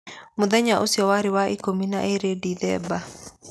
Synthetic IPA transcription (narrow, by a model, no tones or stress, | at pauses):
moðɛɲaʔosiɔwaɾɪwaikomina̰ʔeɾediðɛ̰ba